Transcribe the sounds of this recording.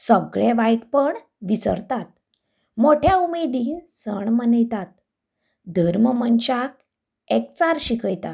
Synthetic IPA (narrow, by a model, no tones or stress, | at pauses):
səɡɭeʋajʈpəɳ | ʋisə̰ɾt̪at̪̚ | moʈʰjaumed̪iːnsəɳmənəjt̪at̪̚ | d̪ʱəɾməmənɕak̚ | ek̚t͡saɾɕikʰəjt̪a